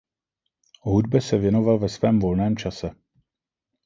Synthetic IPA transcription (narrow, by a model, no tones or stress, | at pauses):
ɦudbɛsɛvjɛno̞valvɛsvɛːmvo̞lnɛːmt͡ʃasɛ